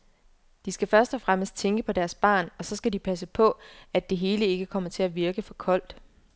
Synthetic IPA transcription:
d̥isɡ̥æfɶɐsd̥ɒ̽fʁaməsd̥̚t͡sʰeŋɡ̥əpʰɒ̽d̥æɐsb̥ɑ̰̈ːnɒ̽sɒ̽sɡ̥ædipʰæs̬əpʰɒ̽æd̥e̝ɦe̝ːləe̝ɡ̥əkʰɒ̽m̰ɐt͡sʰe̝læʋiɐɡ̥əfɒ̽kʰɒ̽l̰d̥

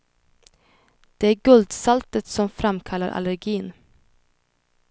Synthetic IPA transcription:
d̪̥ɛæːɾɡɵld̪salt̪ət̪sɔmfɾamkʰalːa̰ɾʔa̰læɾɡiːn

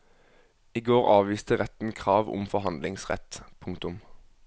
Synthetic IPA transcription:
iːɡoːʁɑːʋʋiːst̪əʁɛt̪n̩kʰʁɑːʋʊ̰mfɔɦɑnd̪lɪŋsʁɛ̰t̪pʰʊŋkt̪ʊm

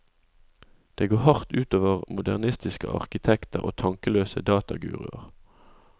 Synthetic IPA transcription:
d̪̥eːɡoːʁhɑʁt̪ʉːt̪oːʋəʁmʊd̪æʁnɪst̪ɪskə̰ʔɑ̰ʁkɪt̪ʰɛkt̪əʁo̰ːt̪ʰɑŋkəløːsəd̪ɑːt̪ɑɡʉ̰ːʁɪ̰əʁ

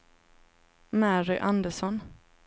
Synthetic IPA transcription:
mæɾʏʔand̪əʂɔn

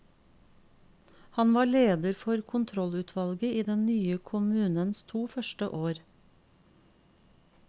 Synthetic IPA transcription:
hɑnʋɑːɭeːd̪əɾfɔɾkʰʊnt̪ʰɾɔlʉːt̪ʰʋɑlɡəiːd̪ɛnnyːəkʰʊmʉːnənst̪ʰuːfœʃʈə̰ʔoːɾ

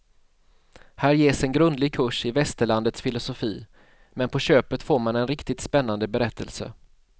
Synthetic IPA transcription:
hæːɾjeːsɛnɡɾɵnd̪lɪɡ̚kʰɵʂɪvɛst̪əɭand̪ət̪sfɪlʊsʊfiː | mɛnpʰɔɕøːpət̪foːɾmanɛnɾɪkt̪ɪt̪spɛnːand̪əbɛɾɛt̪ʰːə̰lsə̰

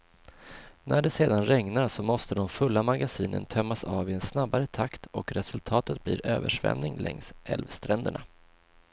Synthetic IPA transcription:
nʔæɖɛseːd̪anɾɛŋnasɔmɔst̪əd̪ɔmfɵlːamaɡasiːnə̰nt̪ʰœmːasɑːvɪɛnsnabːaɾət̪ʰakt̪ʰɔkɾɛsɵlt̪ʰɑːt̪ət̪̚blḭːɾøːvə̰ʂvɛ̰mnɪŋlʔɛ̰ŋsɛ̰lvst̪ɾɛnd̪əɳa

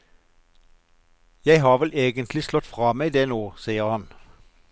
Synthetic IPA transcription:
jæɪɦɑːʁʋɛlʔeːɡənt̪ʰlɪslɔt̪fʁɑːmeɪd̪eːnoːsiːəʁhɑn

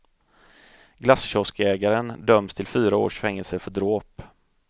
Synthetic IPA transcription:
ɡlasɕɔskɛːɡaɾənd̪œmst̪ʰɪlfyːɾao̰ːʂfɛŋːɛlsəɾfœɖɾoːp

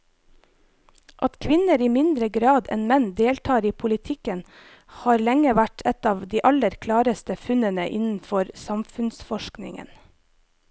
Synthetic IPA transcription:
ʔɑt̪kʰʋɪnəɾiːmɪnd̪ɾəɡɾɑːd̪ɛ̰nmɛnd̪eːlʈ̪ʰɑːɾiːpʰʊlɪt̪ʰɪkən | hɑːɾlɛŋəʋæʈʰɛt̪ɑːʋd̪iːʔɑləɾkʰlɑːɾəst̪əfʉnənəʔɪnn̩fɔɾsɑmfʉnsfɔʃknɪ̰ŋə̰n

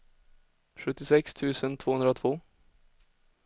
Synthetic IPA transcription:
ɧɵt̪ːɪsɛkst̪ʰʉ̟ːsənt̪ʰvoːhɵnd̪ɾaɔt̪ʰvoː

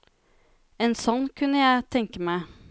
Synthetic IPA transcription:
ɛnsɔnːkʰʉnːəjæɪt̪ʰɛŋkəmæɪ

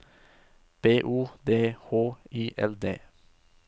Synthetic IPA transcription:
b̥eːʔuːd̪eːhoːiːʔɛld̪ḛː

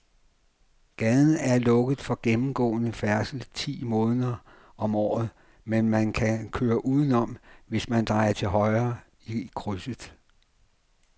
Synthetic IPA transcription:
ɡ̥ɛðˠn̩æɐlɔ̽ɡ̥ð̩ˠfɒ̽ɡ̥emm̩ɡ̥ɔ̰ːnəfæɐsl̩t͡sʰḭːmɔ̽ːnð̩ˠɐ | ɒ̽mɒ̰ːð̞̩ˠ | menmænkʰækʰøːɐʔuːð̞ˠən̩ɒ̽mʋe̝smænd̥ʁɑ̈ɪɐt͡sʰe̝ɦɒ̽ɪɐː | ikʰʁysəð̩ˠ

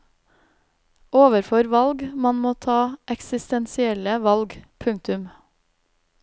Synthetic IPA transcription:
oːʋəɾfɔɾʋɑlɡmɑnmoːt̪ʰɑːʔɛksɪst̪ɛnsɪɛləʋɑlɡpʰʉŋt̪ʉm

